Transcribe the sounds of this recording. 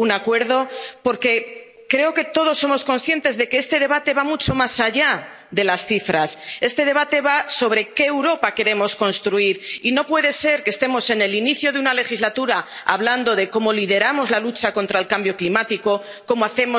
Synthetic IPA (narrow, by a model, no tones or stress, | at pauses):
unakwe̞ɾð̞o̞po̞ɾke̞ | kɾe̞o̞ke̞t̪o̞ð̞o̞sːo̞mo̞sko̞nsθje̞nt̪e̞zðe̞keest̪e̞ð̞e̞β̞at̪e̞βamut͡ʃo̞masaʝa | ðe̞lasθifɾase̞st̪e̞ð̞e̞β̞at̪e̞βaso̞β̞ɾe̞ke̞ːwɾo̞pake̞ɾe̞mo̞sko̞nst̪ɾuiɾino̞pwe̞ð̞e̞se̞ɾkest̪e̞mo̞se̞ne̞liniθjo̞ðeunale̞xizlat̪uɾaa̰βland̪o̞ðe̞ko̞mo̞liðe̞ɾamo̞zlalut͡ʃako̞nt̪ɾaelkambjo̞klimat̪iko̞ | ko̞moaθe̞mo